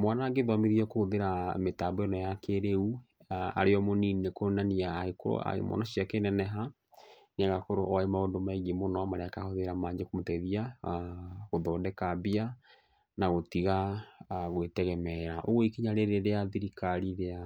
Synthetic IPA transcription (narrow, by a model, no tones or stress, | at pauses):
mwanaŋɡeðwamiðiɔkohoðeɾametabɔenɔjakeɾeu | a̰ɾeɔmoniːnekonaniaːeko̰a̰ḛmɔ̰nɔɕiakenɛnɛɦa | neaɣakoɾoʔɔaemaondomaiɣemonɔamaɾeakahoðeɾamaːɲekomotɛðia | ɣoðɔːdɛkabia | naɣotiɣa | ɣwetɛɣɛmɛɾaʔoɣoikiɲaɾeɾeɾeaðiɾikaɾiɾea